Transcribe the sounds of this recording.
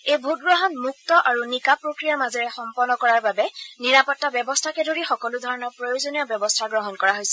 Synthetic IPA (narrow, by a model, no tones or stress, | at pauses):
ejbʱut̚ɡɹɔɦɔnmuk̚tɔʔaɹunikapɹokɹijamazɔɹɛxɔmpɔnːɔkɔɹaɹbabɛniɹapɔtːabjɔbɔstʰakɛdʱoɹixɔkɔludʱɔɹɔnɔɹpɹɔjozonijɔbjɔbɔstʰaɡɹɔɦɔnkɔɹaɦojsɛ̥